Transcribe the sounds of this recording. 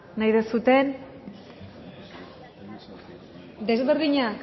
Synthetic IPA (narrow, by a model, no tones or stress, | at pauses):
najðesut̪e̞n | d̪e̞zβeɾðiɲak